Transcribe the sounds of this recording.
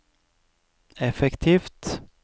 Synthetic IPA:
ɛfɛkt̪ʰiːft̪

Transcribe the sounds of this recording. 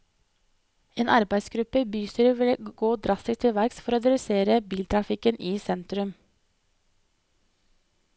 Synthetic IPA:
eːnʔɑɾbæɪsɡɾʉpəbyːsəɾʋɪlɡ̥oːd̪ɾɑst̪ɪst̪ʰɪlʋæɡsfɔɾoːd̪ɛd̪ʉseːɾəbiːlt̪ʰɾɑfɪkənʔiːsɛnt̪ɾʉm

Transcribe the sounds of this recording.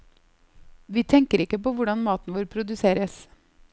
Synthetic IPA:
ʋiːt̪ʰɛŋkəɾɪkːəpoːʋʊɖɑnmɑːt̪n̩ʋoːɾpʰɾʊd̪ʉseːɾəs

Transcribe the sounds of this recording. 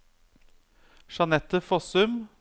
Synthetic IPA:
ʃɑnɛt̪əfɔsʉm

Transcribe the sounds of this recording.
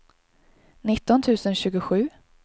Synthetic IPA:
nɪt̪ːɔnt̪ʰʉ̟ːsənɕʉ̟ːɡʊɧʉ̟ː

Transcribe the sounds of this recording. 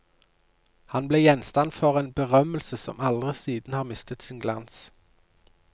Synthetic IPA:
hɑnbleːjɛnst̪ɑnfɔʁeːnbəʁœməlsəsɔ̰mɑld̪ʁəsiːd̪n̩hɑːʁmɪst̪ət̪sɪnɡlɑns

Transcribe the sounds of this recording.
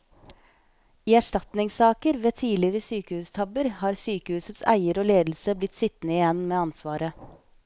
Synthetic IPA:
iːæʂʈɑt̪nɪŋsɑːkəɾʋeːt̪ʰiːlɪɾəsyːkəhʉːst̪ʰɑbəɾhɑːɾsyːkəhʉːsət̪sæ̰ɪəɾoːleːd̪l̩səblɪt̪sɪt̪nəɪjɛnmeːɑnsʋɑːɾə

